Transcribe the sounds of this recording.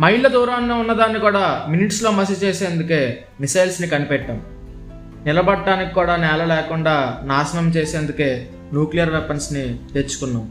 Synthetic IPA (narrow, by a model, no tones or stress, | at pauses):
mɐjɭːɐd̪uːɾaːnːoːunːɐd̪aːnːikuːɽaːminiʈslo̞ːmɐs̬it͡ʃe̞ːse̞ːnd̪uke̞ː | misɐjlsnikɐnipɛʈːɐm | nilɐbɐɖːaːnikikuːɽaːnɛːlɐlɛːkuɳɖaːnaːsɐnɐmt͡ʃe̞ːseːnd̪uke̞ː | nuːklijɐɾʋepensnit̪et͡ʃːu̥kunːaːm